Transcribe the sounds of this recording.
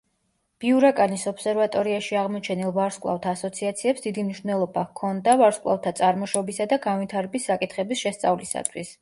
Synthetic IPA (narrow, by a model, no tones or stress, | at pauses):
b̥iuɾakʼanisɔpsɛɾvat̪ʼɔɾiaʃiaʁmɔt͡ʃʰɛnilˠvaɾskʼlˠa̰ft̪ʰaːsɔt̪sʰiat̪sʰiɛpsd̪id̪imniʃvnɛlˠɔbakʰɔnd̪avaɾskʼlˠa̰ft̪ʰat̪sʼaɾmɔʃɔbisad̪aɡanvit̪ʰaɾɛbisːakʼit̪ʰχɛbisʃɛst̪sʼavlisa̰t̪ʰwis